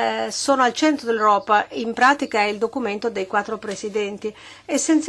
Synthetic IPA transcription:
soːnoalt͡ʃɛnt̪ɾod̪elɾɔːpaimpɾaːt̪ikaɛild̪okument̪od̪ejkwat̪ːɾopɾesid̪ɛnt̪i | esːent̪s

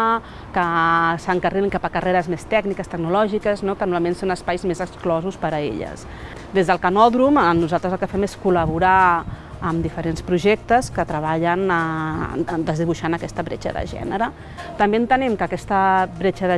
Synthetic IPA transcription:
kəsəŋkəreiŋkapəkərʔeɾəzmest̪ɛɡnikəst̪əɡ̚nulɔʒikəznokənuɾmalˠmensonəspajzmezəksklɔzuspəɾəḛʎə̰s | d̪ezðəlˠkənɔðɾumnuzalˠt̪ɾəzəlˠkəfɛmeskuləβuɾa | əmd̪ifəɾenspɾuʒɛk̚t̪əskət̪ɾəβaʎənə | d̪əzðiβuʃanəkɛst̪əβɾḛt͡ʃə̰ðə̰ʒɛ̰nəɾə | t̪əmbeənt̪ənɛmkəːkɛst̪əβɾet͡ʃəðə

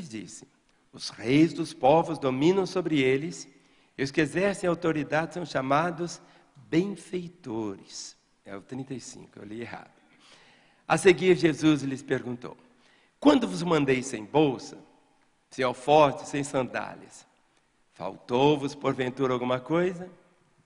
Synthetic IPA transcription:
ɪzd͡ʒḭsɪ̥ | ʊsʁejzd̪ʊspɔvʊzd̪omĩnɐ̃w̃sobɾɪelɪs | ɪʊskezɛɾsẽj̃awt̪oɾid̪ad͡ʒɪsɐ̃w̃ʃamad̪ʊz | bẽj̃fejt̪oɾɪs | ɛʊt̪ɾĩnt̪ejsḭ̃ŋkʊḛwlieɦa̰d̪ʊ | aseɡiɾʒezuzlɪspeɾɡũnt̪o̰w | kwɐ̃nd̪ʊvʊzmɐ̃nd̪ejsẽj̃bowsɐ | sɪawfɔɾt͡ʃɪ̥sẽj̃sɐ̃nd̪a̰lɐ̰s | fa̰wt̪owvʊspoɾvẽnt̪uɾawɡũmɐkojzɐ

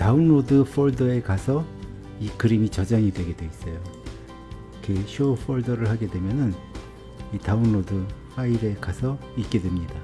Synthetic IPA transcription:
taunːodɯɸʰʌɭdʌe̞kasʰʌ | ikɯɾimit͡ɕʌd͡ʑaŋidwe̞ɡe̞dwe̞is͈ʌjo | kʰeɕʰoɸʰʌɭdʌɾɯɭhaɡe̞dwe̞mjʌnɯn | itaunːodɯɸaiɾe̞kasʰʌik͈e̞dwe̞mɲida

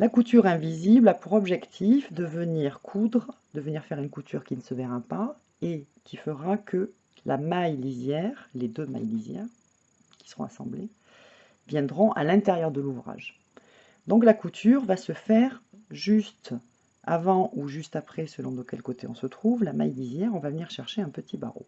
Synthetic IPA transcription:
lakut̪yʁɛ̃viziblapuʁɔbʒɛkt̪ʰifd̪əvəniʁkʰud̪ʁə | d̪̥əvəniʁfɛʁynkut̪yʁkʲinəsəvɛʁapa | ekʲifəʁakʰə | lamajlizjɛʁled̪øma̰jlizjɛ̰ʁ | kʲi̥sə̥ʁɔ̰̃a̰sɑ̰̃blḛ | vjɛ̃d̪ʁɔ̃ʔa̰lɛ̃t̪eʁjœʁd̪əluvʁa̰ʒ | d̪ɔ̃klakut̪ʰyʁvasəfɛʁ | ʒyst̪ | a̰vɑ̃ʔuʒyst̪apχɛsəlɔ̃d̪okʲɛlkot̪eɔ̃sət̪χuvlama̰jlizjɛʁɔ̃vavəniʁʃɛʁʃeɛ̃pət̪ʰiba̰ʁo̰

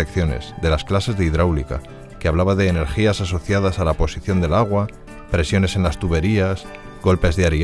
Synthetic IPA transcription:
ekθjo̞ne̞̰zðe̞lasklase̞zðeiðɾawlika̰ | keaβ̞laβaðe̞ːne̞ɾxiasaso̞θjað̞asalapo̞siθjo̞nd̪e̞laɣ̞wa | pɾe̞sjo̞ne̞se̞nlast̪uβe̞ɾias | ɡo̞lpe̞zðeaɾi

